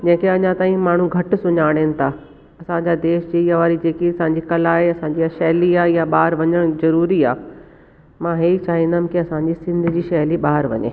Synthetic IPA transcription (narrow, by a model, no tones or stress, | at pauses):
d͡ʑɐ̃ːkeɐɲãt̪aːĩmaːɳ̤ũɡʱɐʈʊ̆sʊɲaːɽ̃enɪ̆t̪ʰaː | ɐsãɲd͡ʑaːd̪eːʃd͡ʑeijaʋaːɾid͡ʑeːkiɐsãɲd͡ʑikɐlaːɦeɐsãɲd͡ʑiɐʃɛɦliaːjaɓaːɾʋɐɲəɽ̃zɐɾuːɾiaː | mãɦeːit͡ɕaːɦĩnd̪am̆kiɐsãːɲd͡ʑisɪ̃nd̪ʱɪ̆d͡ʑiːʃɐɦliɓaːɾʋɐ̰ɲḛː